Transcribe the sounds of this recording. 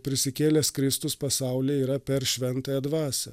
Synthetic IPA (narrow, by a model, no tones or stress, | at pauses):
pʲɾʲɪsʲɪkʲeːlʲɛskɾʲɪst̪ʊspɐsɑˑʊlʲeːiːɾɐpʲɛɾʃʲʋʲɛnt̪ɑːjɛd̪ʋɑːsʲɛ